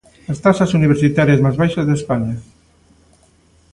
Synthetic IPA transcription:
est̪asasuniβeɾsit̪aɾjezmazβajʃazðespaɲa

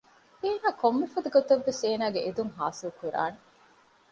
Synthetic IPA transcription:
eːnaːkomːefɐd̪ɐɡot̪ɐʋːeseːnaːɡeʔed̪uŋɦaːsilkuɾa̰ːne

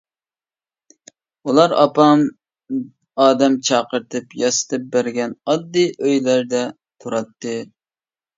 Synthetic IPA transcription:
ulˠɑɾɑ̰pɑm | ɑːd̪ɛmt͡ʃʰɑːqəɾt̪ʰɨpjɑsɨ̥t̪ʰɨp̚bæɾɡʲɛnɑd̪ːɨʔøjlæɾd̪ɛ | t̪ʰuɾɑt̪ːɨ

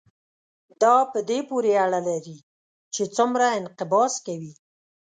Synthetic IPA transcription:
d̪ɑpəd̪epoɾeaɽalaɾi | t͡ʃet͡sumɾaɪnqɪbɑskawi

